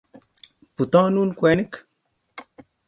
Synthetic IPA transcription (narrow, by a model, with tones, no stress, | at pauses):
pu˨t̪ã˦nu˦nkwe˨˦ni˦k